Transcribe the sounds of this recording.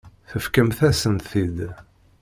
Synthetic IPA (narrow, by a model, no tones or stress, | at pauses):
θəfkəmθæsənt̪θid̪